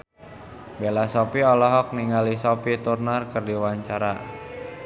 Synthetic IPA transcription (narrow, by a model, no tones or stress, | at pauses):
belasɔpiɔlɔɦɔk̚niŋalisɔpit̪urnarkərdiwaɲt͡ʃaɾa̰